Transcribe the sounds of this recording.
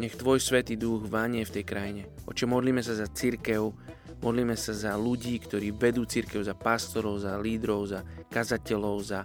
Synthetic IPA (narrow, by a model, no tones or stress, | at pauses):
ɲɛxt̪ʋɔjsʋɛt̪iːd̪uɣʋaɲɪɛft̪ɛjkɾajiɲɛʔɔ̰t͡ʃɔmɔd̪liːmɛsazat͡siɾkɛʊ | mʔɔd̪liːmɛsazaluɟiːkt̪ɔɾiːʋɛd̪uːt͡siɾkɛʊzapast̪ɔɾɔʊzaliːd̪ɾɔʊzakazacɛlɔʊza